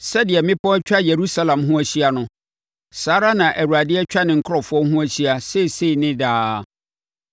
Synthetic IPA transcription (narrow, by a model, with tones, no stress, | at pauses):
sɛ˦dɪ˨ɛ˨mɪ̃˦pʰɔ˦t͡ɕᶣa˦je˨ɾu˦sa˦lã˨mɦʊ̃˦æ˦ɕi˦a˦nʊ̃˦ | saː˨˦ɾa˦nã˨ʔæ˨ɾu˨a˨dɪ˦ɛ˦t͡ɕᶣa˦nɪ̃˨ŋ̩˨kʰʊ˦ɾɔ˨fʊ˦ɔ˦ɦʊ̃˦æ˦ɕi˦a˦se˦˨se˦i˨nɪ̃˦daː˦˨